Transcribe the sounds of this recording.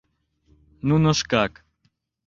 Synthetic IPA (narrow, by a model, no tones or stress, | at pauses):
nunoʃkak